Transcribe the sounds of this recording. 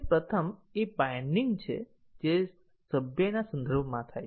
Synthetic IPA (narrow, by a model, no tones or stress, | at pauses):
pɾət̪ʰəmepajɳɖiŋɡt͡ʃʰḛ | d͡ʒe | səbjənasə̃nd̪əɾbʱmãt̪ʰaj